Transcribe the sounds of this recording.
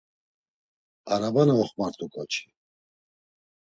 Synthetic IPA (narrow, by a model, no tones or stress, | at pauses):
aɾabanaɔχmaɾt̪ʼukʼɔt͡ʃʰi̥